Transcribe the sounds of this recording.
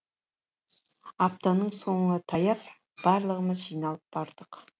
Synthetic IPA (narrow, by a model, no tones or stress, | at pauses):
ɑpt̪ɑnəɴsoɴət̪ʰɑjɑp | b̥ɑɾlˠəʁəməzʒijnɑlˠəp̚b̥ɑɾd̪̥əq